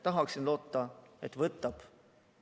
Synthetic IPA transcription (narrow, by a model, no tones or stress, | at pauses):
t̪ɑɦɑksinlo̞ːt̪ːɑet̪ˑvɤt̪ːˑɑb̥